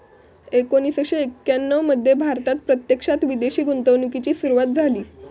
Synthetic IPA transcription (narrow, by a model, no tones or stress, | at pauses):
ekoñisəkʂɕeekːjanːəʋməd̪ʱːjebʱaɾt̪at̪̚pɾət̪jəkʂat̪ʋid̪eɕiːɡunt̪əʋnukit͡ɕiːsuɾuʋat̪̚d͡zʱaliː